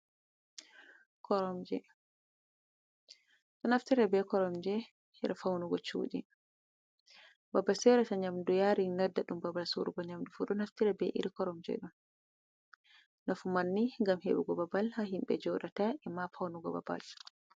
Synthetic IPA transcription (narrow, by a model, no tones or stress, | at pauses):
kʰɔɾɔmd͡ʒɛ̰ | ɗɔnaftiɾɛbɛkɔɾɔmd͡ʒɛ | hɛɾɛfawnuɡɔt͡ʃṵɗḭ | babasɛɾɛtaɲamdujaɾinɔdːaɗumbabasuɾuɡɔɲamdufuɗɔnaftiɾɛbɛ̰ʔḭɾikɔɾɔmd͡ʒɛ̰ɗun | nafumanːiŋɡamheɓuɡɔbabalhaɦimbɛ̰d͡ʒɔɗataʔɛmafawnuɡɔbaba̰l